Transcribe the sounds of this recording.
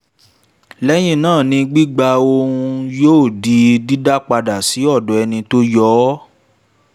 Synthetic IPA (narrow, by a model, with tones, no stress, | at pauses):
lɛ˦j̃ĩ˦˨nãː˦˨nĩ˧ɡ͡bi˦ɡ͡ba˧õ˧u˧jo˦˨di˨˦di˦da˦k͡pa˧da˨si˨˦ɔ˦˨dɔ˨ɛ˧nĩ˧to˦jɔː˦